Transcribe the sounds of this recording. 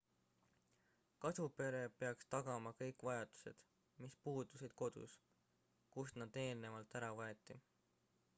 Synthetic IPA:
kɑsupe̞ɾe̞pe̞ɑkst̪ɑɡ̥ɑmɑkɤjkːˑvɑjɑd̪̥u̥se̞̰d̪̥ | mispuːd̪̥usid̪̥̚ko̞d̪̥ṵs | kusnɑd̪e̞ːlne̞vɑlt̪æɾɑvɑet̪ːˑi

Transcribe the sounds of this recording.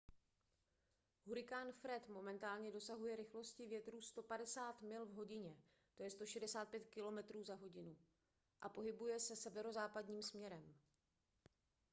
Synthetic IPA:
ɦuɾɪkaːnfɾɛt̪mo̞mɛnt̪aːlɲɛdo̞saɦujɛɾɪxlo̞scɪvjɛt̪ɾuːst̪o̞padɛsaːt̪mɪlvɦo̞ɟɪɲɛ | t̪ojɛst̪o̞ʃɛdɛsaːt̪̚pjɛt̪kɪlo̞mɛt̪ɾuːzaɦo̞ɟɪnu | ʔapo̞ɦɪbujɛsɛsɛvɛɾo̞zaːpadɲiːmsmɲɛɾɛm

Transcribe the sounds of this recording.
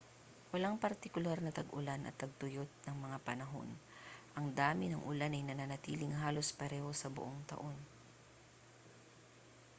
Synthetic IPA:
wɐlaŋpɐɾt̪ɪkʊlaɾnɐt̪ɐɡʊlanʔɐ̰t̪ːɐɡ̚t̪ʊjot̪̚nɐŋmɐŋapɐnɐɦo̞̰nʔɐŋd̪aːmɪnɐŋʔʊlanɐjnɐnanɐt̪iːlɪŋɦaːlo̞spɐɾɛːho̞sɐbʊ̰ʔoŋt̪ɐ̰ʔo̞n

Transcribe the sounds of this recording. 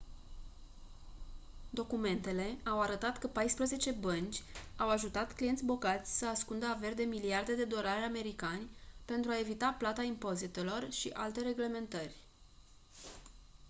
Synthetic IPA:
d̪o̞kume̞nt̪e̞le̞awaɾət̪at̪kəpajspɾəze̞t͡ʃe̞bənt͡ʃʲawaʒut̪at̪klije̞nʲbo̞ɡat̪sʲsəaskund̪əave̞rd̪e̞miliard̪e̞d̪e̞d̪o̞ɾaɾʲame̞ɾikanʲpe̞nt̪ɾuae̞vit̪aplat̪aimpo̞zit̪e̞lo̞rʃḭʔa̰lt̪e̞ɾe̞ɡle̞me̞nt̪ərʲ

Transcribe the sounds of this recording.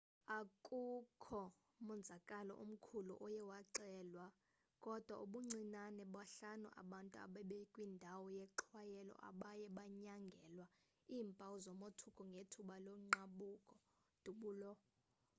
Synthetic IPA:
akʼukʰɔ | mund͡zʱakʼalɔ̰ʔṵm̩kʰulṵʔɔjɛwaǀɛːlwa | kʼɔd̥ʱwa̰uɓuŋ͡ǀinanɛɓwaɬanṵʔa̰ɓantʼua̰ɓɛɓɛkʼwindʱawɔjɛǁʰwajɛlɔ̰ʔa̰ɓajɛɓaɲaŋɡʱɛlwa | iːmpʼawuzɔmotʰukʼɔŋɡʱetʰuɓaloŋ͡ǃaɓuːkʼɔ | d̥ʱuɓuːlɔ

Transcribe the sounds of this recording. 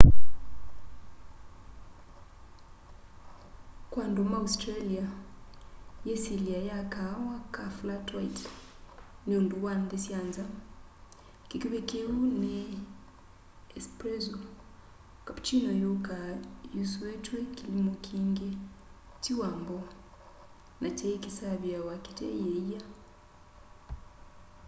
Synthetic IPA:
kwandomaustɾalia | jesiliajakawakaflatwajt | neonduwandesianza | kikiβekeune | ɛspɾɛzɔ | kapt͡ʃinɔjukajusuwɛtwɛkilimɔkʰiŋɡe | tiwambɔ | nʔat͡ʃɛikisaβjawaki̥tɛ̰jeija

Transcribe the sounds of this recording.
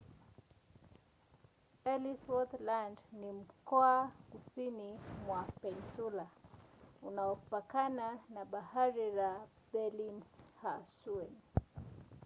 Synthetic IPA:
ɛliswɔt̪landnim̩kɔakusinimwapɛnsula | unaɔkupakananaɓahaɾiɾa | bɛlinshasuɛn

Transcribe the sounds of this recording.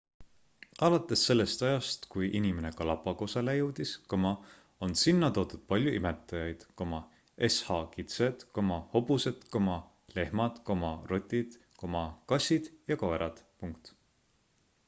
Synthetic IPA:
ʔɑlɑt̪ːˑe̞sːe̞lːe̞st̪ɑjɑst̪kujʔinimene̞kɑlɑpːˑɑko̞sɑlejuwd̪̥iskɤmɑ | o̞nsinːɑt̪o̞ːt̪ud̪̥̚pɑlʲjuʔime̞t̪ːˑɑjɑjd̪̥komɑ | e̞shɑkit̪sed̪̥komɑho̞buse̞d̪̥komɑ | le̞hmɑd̪̥komɑro̞t̪ʲːˑid̪̥ | ko̞mɑkɑsʲid̪̥jɑkoeɾɑd̪̥puŋkt̪

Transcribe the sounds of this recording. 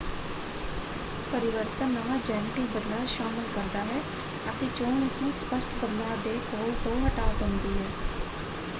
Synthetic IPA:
pəɾɪʋəɾt̪ənːəʋaːd͡ʒɛːnɪʈiːbəd̪laːʃaːməlkəɾd̪aːɦɛː | ət̪eːt͡ʃoːnɪsnũːspəʃʈbəd̪laːd̪eːkoːlt̪õːɦəʈaːʋət̪ɦʊ̃nd̪iːɦɛː

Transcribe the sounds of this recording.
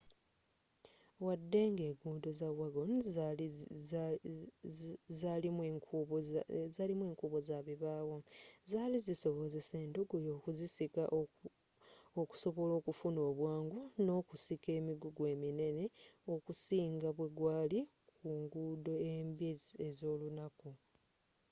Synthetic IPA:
wadːe̞ŋɡeːɡuːdo̞zaβwaɡon | zalimu | zalimwe̞ːŋkuːβo̞zaβiβaːwozaːliziso̞βo̞ze̞se̞ːnduɡojo̞ːkuzisikaʔo | oku̥so̞βo̞lo̞ːkufuno̞ːβwaːŋɡuno̞kusike̞ːmiɡuɡwe̞ːmine̞ne̞o̞kusiːŋɡaβwe̞ɡwaːli | kuːŋɡuːdo̞embezo̞ːlunaku

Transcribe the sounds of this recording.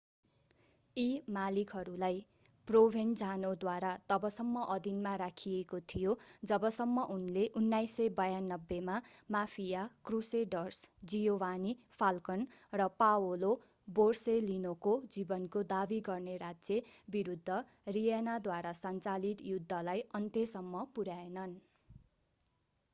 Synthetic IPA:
imalikɦʌɾulaj | probʱend͡zʱanod̪waɾat̪ʌbʌsʌmːʌʔʌd̪inmaɾakʰijekot̪ʰijod͡zʌbʌsʌmːʌʔunileʔunːajsʌjbʌjanːʌbːemamapʰijakruseɖʌrsd͡zijowani | pʰalkʌnrʌpawolo | borselinokod͡zibʌnkod̪abiɡʌrneɾad͡zjebiɾud̪ʱːʌ | rijanad̪waɾasʌnt͡salit̪jud̪ʱːʌlajʌnt̪esʌmːʌpuɾaenʌn

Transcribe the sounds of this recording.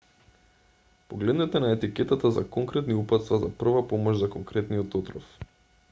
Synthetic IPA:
poɡlɛd̪nɛt̪ɛnaɛt̪ikɛt̪at̪aza̰kɔŋkɾɛt̪niupat̪st̪vazapr̩vapomɔʒzakoŋkɾɛt̪nijɔt̪ɔt̪ɾɔf

